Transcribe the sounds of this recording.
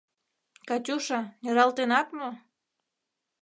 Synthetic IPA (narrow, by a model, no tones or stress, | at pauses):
kɑtʲuʃɑnʲəɾɑlt̪enɑt̪mo